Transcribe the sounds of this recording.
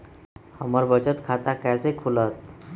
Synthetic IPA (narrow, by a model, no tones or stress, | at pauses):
həməɾbət͡ɕət̪kʰat̪akasekʰulət̪